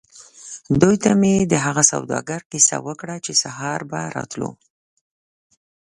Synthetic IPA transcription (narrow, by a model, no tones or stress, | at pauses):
d̪ujt̪amed̪əɦaɣasa̰wd̪ɑ̰ɡaɾkisa̰wəkɽat͡ʃesaɦɑɾbaɾɑ̰t̪lṵ